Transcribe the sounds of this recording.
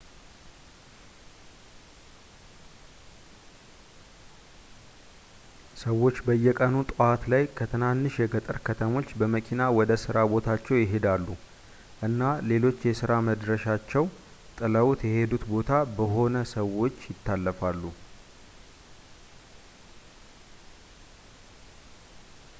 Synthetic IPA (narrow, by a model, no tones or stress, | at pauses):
səwːo̞t͡ʃːbəjːɛkʼənut̪ʼoat̪lajkʰət̪ʰɨnanːɨʃjɛɡət̪ʼɨɾkʰət̪ʰəmo̞t͡ʃːbəməkʰinawɔd̪əsɨɾabo̞t̪ʰat͡ʃːɛwjɪɦed̪alːu | ʔɨnːale̞lo̞t͡ʃːjɛsɨɾaməd̪ɾəʃat͡ʃːɛw | t̪ʼɨləwut̪jɛhe̞d̪ut̪bo̞t̪ʰabəɦo̞nəsəwo̞t͡ʃːjɪt̪ːalːəfalːu